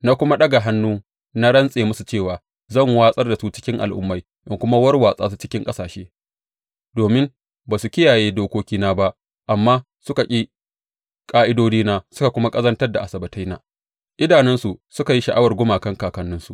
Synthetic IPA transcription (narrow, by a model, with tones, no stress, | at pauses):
na˦kʷʊ˦ma˦ɗɐ˦ɡa˨ɦa˦nːuː˦ | na˦ɽɐ˦nsʼeː˨mʊ˦su˨t͡ʃeː˦˨waː˨ | zɐ˦˨ŋwaː˦sʼɐ˦rda˨su˦t͡ʃɪ̥˦kʲɪ˦ŋʔa̰˨lʔʊ̰˦mːa˦j | ʔɪ˨ŋkʷʊ˦ma˦wɐ˦rwaː˨sʼa̰ː˦su˦t͡ʃɪ˦kʲɪ˦ŋkʼɐ˦saː˨ʃeː˦ | doː˨mɪ˦m | baː˨su˨kʲɪ˦jaː˨jeː˦doː˦kʷoː˦kʲiː˦naː˦ba˦ʔ | ʔa˨mːaː˦ | sʊ˦ka˨kʲʼi˦ | kʼaː˦ʔɪ˦doː˦d͡ʒiː˦naː˦sʊ˦ka˨kʷʊ˦ma˦kʼɐ˦zɐ˦ntɐ˦rda˨ʔa˨sɐ˨bɐ˨ta˦jna̰ː˨ | ʔɪ˦daː˨nɪ˦nsu˨sʊ˦ka˨ji˦ʃɐ˨ʔa˦wɐ˨rɡʷʊ˦maː˨kɐ˦ŋkaː˨kɐ˦nːʊ˦nsu˨ʔ